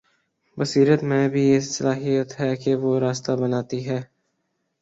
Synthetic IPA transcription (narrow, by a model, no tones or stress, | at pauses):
bɐsiːɾət̪mẽbʱiesɐlaːɦijət̪ɦɛkeʋoɾaːst̪abɐnaːt̪iɦɛː